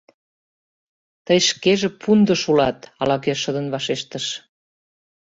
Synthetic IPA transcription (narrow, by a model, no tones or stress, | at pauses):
t̪əjʃkeʒĕpʰund̪ə̆ʃulɑt̪ɑlɑkeʃəd̪ənβɑʃeʃt̪əʃ